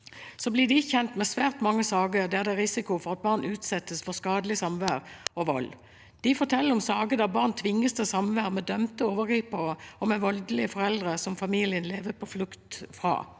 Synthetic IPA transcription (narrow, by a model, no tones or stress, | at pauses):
sɔblɪd̪ɪɪçɛnt̪mɛsʋæːʁt̪mɑŋːəsɑːɡəd̪ɛæd̪ɛɾɪsɪkʊfɔʁɑt̪̚bɑːʁnʉːt̪sɛt̪ːəsfɔskɑːd̪əlɪsɑmʋæːʁɔʋɔ̰l | d̪̥ɪfɔʁt̪ʰɛlːəɾɔmsɑːɡəd̪ɑbɑːʁnt̪ʰʋɪŋːəst̪ɛsɑmʋæːʁmɛd̪œmt̪əoːʋəɡɾiːpəəɔmɛʋɔld̪əlɪəfɔɾɛld̪ʁəsɔmfɑmiːlɪənleːʋəpʰɔflʉkt̪fʁɑ̰ː